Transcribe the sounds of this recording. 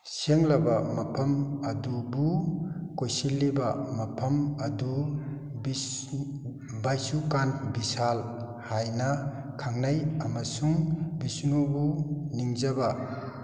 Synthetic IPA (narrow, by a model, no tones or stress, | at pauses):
seŋlabamapʰɐmad̪ubukojsilːibamapʰamad̪u | bi | bajsukanbisal | hajna | kʰaŋnajamasuŋbisnubuniŋzaba